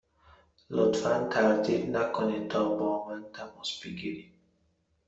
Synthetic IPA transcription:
lot̪fant̪ʰaɾd̪id̪nakʊnit̪ʰɔːbɔmant̪ʰamɔsb̥iɡiɾi

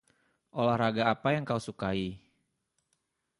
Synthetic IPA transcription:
ʔolahɾaɡaːpajaŋkausukai

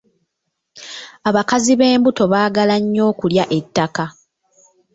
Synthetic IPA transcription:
aβakaziβe̞ːmbuto̞βaːɡalaɲːo̞ːkuljaʔe̞tːaka

